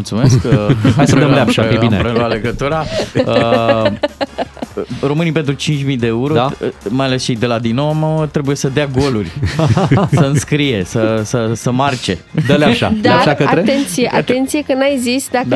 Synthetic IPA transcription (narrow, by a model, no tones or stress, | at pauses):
mult̪sumeskasəd̪əmleaʃaeineɾəloale̞ɡət̪uɾaə | ro̞mɨnipe̞nt̪ɾut͡ʃint͡ʃʲmid̪e̞euɾomajale̞st͡ʃejd̪elad̪inːowamt̪ɾe̞buje̞səd̪eaɡo̞lurʲ | səɨnskɾije̞səsəsəmart͡ʃe̞d̪leʃa̰d̪aaʃakəaɾeent̪sijeʔat̪ent̪sijekənajzisd̪a